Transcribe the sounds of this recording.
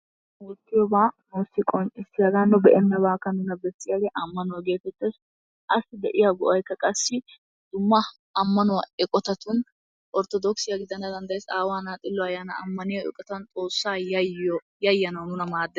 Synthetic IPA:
wɔt̪ːɪjɔbaːnoːsːɪkʼɔnt͡ʃɪsɪjɐɡ̪anːʊbɛʔɛnːɐbaːkːɐnʊnɐbɛsʼːɪjɐlɛʔɐmːɐnʊwɐɡe̞ːt̪ɛt͡ʃːɛs | ʔɐsːɪd̪ɛʔɪjaɡɔʔɐjkːɐkʼɐsːɪ | d̪̥ʊmːɐ | ɐmːɐnʊwɐɛkʼɔt̪ɐt̪ʊn | ʔɔɾt̪ɔd̪ɔksɪjɐɡɪd̪ɐnɐd̪ɐnd̪ɐjesaːwaːnaːt̪ʼɪlːɔɐjaːnɐɐmːɐnɪjɔɛ̰kʼɔt̪ɐnt̪ʼo̞ːsːaːɔ | jɐjːɐnɐwnʊnɐmaːd̪ːɛ

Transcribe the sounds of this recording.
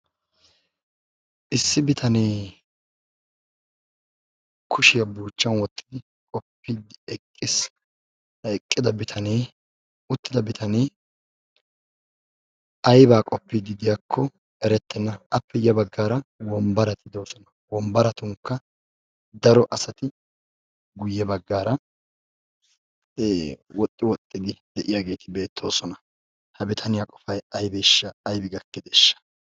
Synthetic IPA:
ʔɪsːɪbɪt̪ʰɐneː | kʰʊʃɪjɐbuːt͡ʃːɐnwɔt̪ʼːɪ̥d̪ɪ | kʼɔpːiːd̪ɪɛkʼːɪs | nɐɛkʼːɪd̪ɐbɪt̪ʰɐneː | ʊt̪ːɪd̪ɐbɪt̪ʰɐneː | ɐjbaːkʼɔpːiːd̪ɪd̪ɪjakʰːɔ | ɛɾɛt̪ːɛnːɐɐpːɛjɐbɐɡːaːɾɐwɔmbɐɾɐt̪ʰɪd̪o̞ːsɔnɐwɔmbɐɾɐt̪ʊŋkːɐ | d̪ɐɾɔʔɐsɐt̪ɪ | ɡʊjːɛbɐɡːaːɾɐ | wɔt̪ʼːɪwɔt̪ʼːɪd̪ɪd̪̥ɛʔɪjaɡe̞ːt̪ɪbe̞ːt̪ʰːo̞ːsɔnɐ | hɐbɪt̪ʰɐnɪjaːkʼɔfɐjɐjbɛʃːɐːjbɪɡɐkːɛd̪ɛːʃːɐ̥

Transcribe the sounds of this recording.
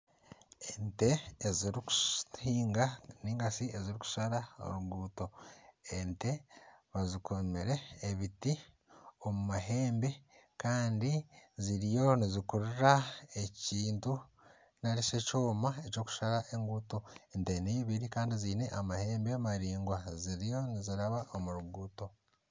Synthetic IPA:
ente̞ːziɾiku̥hiːŋɡaniːŋɡasieziɾiku̥ʃaɾao̰ɾuɡuːto̞ente̞βazikomeɾe̞ːβiti | o̞mumaɦe̞ːmbe̞kaːndiziɾijo̞nizikuɾiɾae̞ciːntu | naɾisecoːmaeco̞ːku̥ʃaɾaʔe̞ŋɡuːto̞ente̞neβiβiɾikaːndiziːne̞ʔamahe̞ːmbemaɾiːŋɡwaziɾijo̞niziɾaβaʔomuɾuɡuːto̞

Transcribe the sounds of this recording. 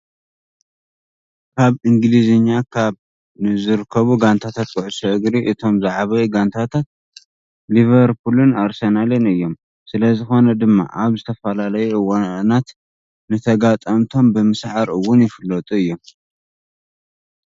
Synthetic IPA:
kʰaβɨŋɡlizɨɲːakʰaβ | nɨzɨɾɨkʰːɐβuɡant̪ʰat̪ʰat̪̚kʰɨʕɨsɐʔɨɡɾiʔɨt̪ʰo̞mzaʕaβɐjiɡant̪ʰat̪ʰat̪̚ | livɐɾpʰulɨnaɾsɐnalɨnɨjːo̞m | sɨlɐzɨxo̞nɐd̪ɨmːa̰ʔaβzɨt̪ʰɐfɐlalɐjuʔɨwanat̪ | nɨt̪ʰɐɡat̪ʼɐmt̪ʰo̞mbɨmɨsʕaɾɨwːʊnjɪfɨlːɐt̪ʼuɨjːom

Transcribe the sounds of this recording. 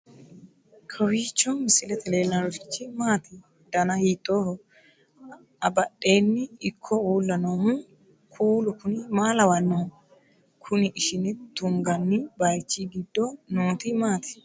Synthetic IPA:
kʰɐwiːt͡ʃːɔnmɪsɪlɛt̪ɛle̞ːlːɐɾɔɾɪt͡ʃːɪmaːt̪ɪ | d̪̥ɐnɐhiːt̪ʼːoːhɔ | ɐbɐɗe̞ːnːɪɪkʰːɔuːlːɐnoːmʊ | kʰuːlʊkʊnɪmaːlɐwɐnːo | kʰʊnɪʔɪʃɪnɪt̪ʊŋɡɐnːɪbɐjt͡ʃːiɡɪd̪ːɔnoːt̪ɪmaːt̪ɪ̥

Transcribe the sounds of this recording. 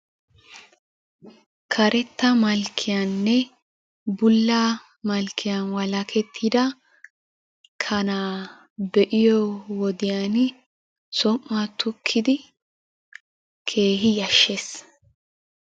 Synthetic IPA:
kʰɐɾʔɛt̪ːɐmɐlkʰːɪjanːɛ | bʊlːaː | mɐlkʰːɪjanwɐlɐkʰɛt̪ʰːid̪ɐ | kʰɐnaː | bɛʔɪjɔwɔd̪ɪjan | sɔmːat̪ʊkʰːɪd̪ɪ | kʰe̞ːɦɪjɐʃːeːs

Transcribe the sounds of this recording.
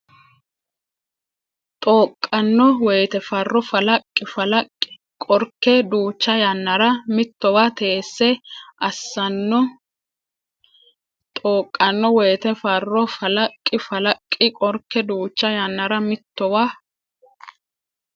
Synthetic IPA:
t̪ʼoːkʼːɐnːɔwejt̪ɛfɐrːɔfɐlɐkʼːɪfɐlɐkʼːɪ | kʼɔɾkːɛd̪uːt͡ʃːɐjɐnːɐɾɐmɪt̪ːɔwaːt̪ʰeːsːɛʔɐsːɐnːɔ | t̪ʼoːkʼːɐnːɔwejːt̪ɛfɐrːɔfɐlɐkʼːɪfɐlɐkʼːɪkʼɔɾkːɛd̪uːt͡ʃːɐjɐnːɐɾɐmɪt̪ːɔwaː

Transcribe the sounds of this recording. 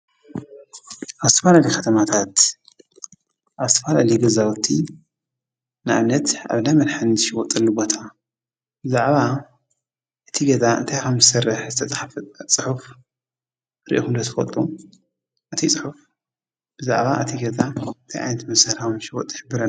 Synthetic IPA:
ʔaβzɨt̪ʰɐfalalikʰɐt̪ʰɐmat̪ʰat̪ | ʔaβz̥t̪ʰɐfalaliɡɐzawɔt̪ʰːi | nɨʔa̰βnɐt̪a̰βnajmɐnħand̪ʃɪwɔt̪ʼɐlːubot̪ʰa | b̥ɨzaʕβa | ʔɨt̪ʰiɡɐzʼaɨnt̪ʰajkʰɐmzɨsɐrːɨħzɨt̪ʰɐt͡sʼaħft͡sʼɨħuf | ɾḭʔo̰kɨnd̪ɐt̪ʰɨ̥fɐ̰t̪ʼu | ʔɨt̪ʰit͡sʼɨħuf | b̥ɨza̰ʕβaʔɨt̪ʰiɡɐzaɨnt̪ʰajʔa̰jnɐt̪mɐsɐɾɐmʃiwɔt̪ʼːħɨbɨɾɐ

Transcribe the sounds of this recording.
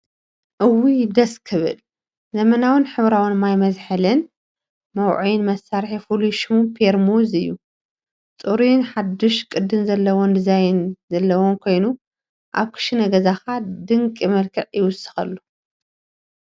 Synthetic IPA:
ʔɨwid̪ɐskʰɨβɨ̰l | zɐmɐnawɨnħɨβɾawɨnmajmɐzħɨlɨn | mɐwʕujnmɐsːaɾħifuluʃumpʰeɾmuzɨjːu | t͡sʼuɾujnħad̪ːɔʃkʼɨd̪ːɨnzɐlːɐwond̪ɨzajnzɐlːɐwonkʰo̞jnu | ʔaβkʰɨ̥ʃinɐɡɐzaxad̪ɨŋkʼimɐlkʰɨʕjɪwʊsːɨ̥xɐlːu

